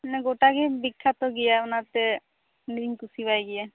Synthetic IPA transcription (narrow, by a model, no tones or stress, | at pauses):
nɛɡoʈakɛbikʰːat̪ɔɡijaunaɾt̪ɛ | niɾiŋkusibajɡija